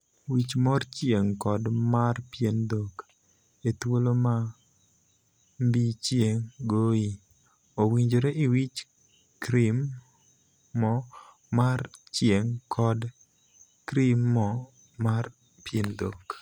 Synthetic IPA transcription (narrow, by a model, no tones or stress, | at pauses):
wit͡ʃmɔrt͡ʃjeŋkɔdmarpjendok | et̪woloma | mbit͡ʃjeŋɡoi | owiɲd͡ʒoɾeʔɪwit͡ʃ | kɾim | ɔ | mart͡ʃjeŋkʰɔd | kɾimːɔ | mar | pjendok